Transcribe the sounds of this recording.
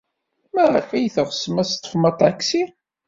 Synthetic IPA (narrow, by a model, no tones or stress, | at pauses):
mæʁəfijθəʁsəmæst̪ˤːə̥fmɑt̪ˤʕakːsi